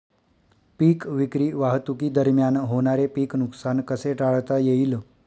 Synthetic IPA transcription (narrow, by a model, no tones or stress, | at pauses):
piːkʋikɾiːʋaɦt̪ukid̪əɾmjanɦoɳ̃aɾepiːknuksankəseʈaɭt̪ajeil